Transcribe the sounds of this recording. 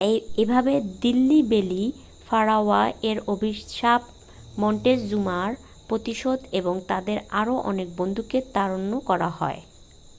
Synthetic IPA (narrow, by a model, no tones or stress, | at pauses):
ebʱabed̪ilːibeli | faɾaaeɾobʱiʃap | mɔɳʈesd͡ʑumaɾ | pɾot̪iʃod̪eboŋt̪ad̪eɾaɾoʔɔ̰nek̚bond̪ʱuket̪aɾonːokɔɾaɦɔ̰e